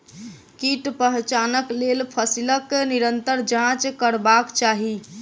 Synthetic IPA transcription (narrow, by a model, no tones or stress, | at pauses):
kiʈpəɦt͡ʃanəklelpʰəsiləkːeniɾənt̪əɾd͡ʒãt͡ʃkəɾbakt͡ʃaɦi